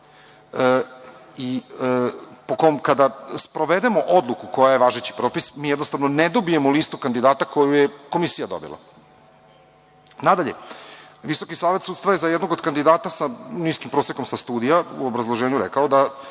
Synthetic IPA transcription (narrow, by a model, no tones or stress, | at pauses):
i | pokomkad̪aspɾo̞ʋed̪emo̞ʔo̞d̪lˠukuko̞jaje̞ʋaːʒet͡ɕi̥pɾo̞ːpismiːjɛd̪nost̪aʋnoned̪obijemoliːst̪ukand̪id̪aːt̪ako̞jujeko̞misijad̪o̞̰bḭlˠa̰ | nad̪aʎe | ʋiso̞kisaːʋe̞t̪sut̪t̪vaje̞zajɛd̪no̞ɡod̪kand̪id̪aːt̪asaniskimpɾo̞ːsjekomsast̪uːd̪ijaṵobɾazlˠoʒeːɲuɾɛ̰kaod̪a